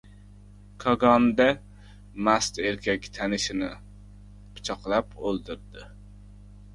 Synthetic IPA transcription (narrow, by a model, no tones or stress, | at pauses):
kʰɑɡɑnd̪a | mast̪eɾkʲʰɛkʲt̪ʰanɪʃɪnɪ | pʰɨ̥t͡ʃʰɑqlˠapolˠd̪ɪɾd̪ɪ